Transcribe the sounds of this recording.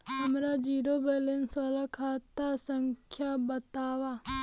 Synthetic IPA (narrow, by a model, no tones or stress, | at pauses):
həmɾaːd͡ʒiːɾoːbelensoːlakʰaːt̪asəŋkʰjabət̪aːʋaː